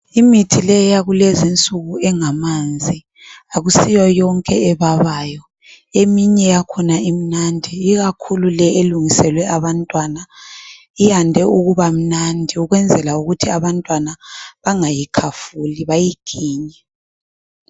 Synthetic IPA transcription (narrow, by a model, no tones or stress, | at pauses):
imitʰilɛjaɣulezint͡sʼuɣuɛŋamand͡zʱi | aɣusijɔjɔŋkʼɛɛβaβajɔ | emiɲɛjakʰɔnaim̩nandʱiːɣakʰululɛʔeluŋisɛlwɛʔaβantʼwana | ijandʱɛuɣuβam̩nandʱiuɣwɛnd͡zʱɛlauɣutʰiaβantʼwanaβaŋajikʰafuliβajiɡ̥ʰʱiːɲɛ